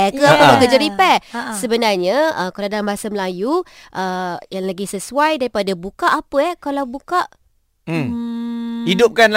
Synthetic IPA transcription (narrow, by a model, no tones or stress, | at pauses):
ɛkəapəmakəd͡ʒaɾipɛsəbənarɲaəkalawdalambasaməlajuʔəjaŋlaɡisəsuajdaɾipadabukaʔapəɛkalawbukaʔ̩ | idʊp̚kan